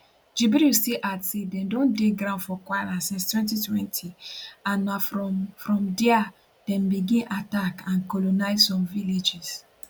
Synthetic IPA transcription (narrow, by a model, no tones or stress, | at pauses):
d͡ʒibiɾuseʔatsedɛ̃ndõndeɡɾãʊ̃nfɔkwajnasĩnstwɛ̃nt̬itwɛ̃ntʰiãnːafɾɔfɹɔ̃mdɛa | d̥ɛ̃mbiɡĩnʔatakãnkɔlonaɪzsɔ̃mviled͡ʒis